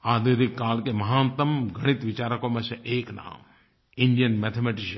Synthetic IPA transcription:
aːd̪eːd̪ikːaːlkemɐɦãːnt̪ɐmɡʱɐɽ̃it̪ʋɪt͡ʃaːɾəkõmẽseʔeːkna̰ːm | ɪ̃ɳɖijənmet̪ʰemeʈɪʃ

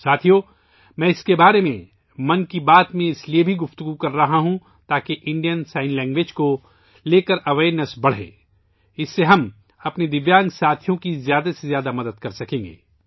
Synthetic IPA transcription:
saːt̪ʰijo | mɛ̃ːɪskebaːɾemẽ | mɐnkibaːt̪mẽɪsliebʱiɡʊft̪ʊɡukɐɾːɐɦaɦũ | t̪aːkeʔɪ̃ɳɖijənsaːɪnlɛ̃ːŋɡʋeːd͡ʒko | leːkəɾɐʋeːɾnəsbɐɽ̤ḛ̃ː | ɪsːeɦɐm | ɐpned̪ɪʋjaːnɡsaːt̪ʰijõkizjaːd̪asezjaːd̪amɐd̪əd̪kɐɾsɐkẽːŋɡḛː

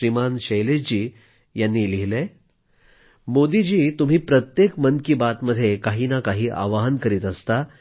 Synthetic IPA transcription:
ɾimanɕejled͡ʑiː | janːiːliɦile | mod̪id͡ʑiːt̪um̤iːpɾət̪jekmənkibat̪məd̪ʱːjekaɦiːnakaɦiːʔa̰ʋaɦənkəɾiːt̪əst̪a

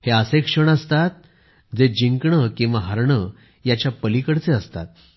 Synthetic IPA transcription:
heəsekʂəɳ̃əst̪at̪̚ | d͡zed͡ʑiŋkɳəkĩw̃ʋaɦəɾɳə | jat͡ɕjapəlikəɽt͡seəst̪a̰t̪̚

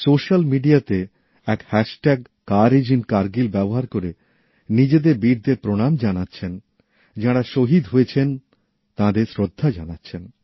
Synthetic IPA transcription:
soʃalmiɖiat̪e | ɛkhɛʃʈɛɡ̚ | kaɾed͡ʑinkaɾɡilbɛboɦaɾkoɾe | nid͡ʑed̪eɾbiɾd̪eɾpɾoɽ̃amd͡ʑanatːɕʰen | d͡ʑaɽaʃoɦid̪ɦojet͡ɕʰen | t̪ãd̪eɾsɾod̪ʱːad͡ʑanatːɕʰen

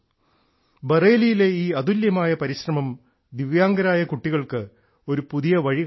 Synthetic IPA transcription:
bereːlijile̞iːɐðuljɐmaːjɐpɐɾiɕrɐmɐm | d̪iʋjaːŋɡɐɾaːjɐkuʈːiɣɐɭkɨ | o̞ɾupuðijɐʋɐɻi

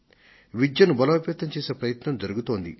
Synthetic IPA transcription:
ʋid͡ʒjɐnubɐlɐɐpjɐt̪ːɐmt͡ʃeːseːpɾɐjɐt̪nɐmd͡ʒɐɾuɡut̪o̞ːnd̪ḭ

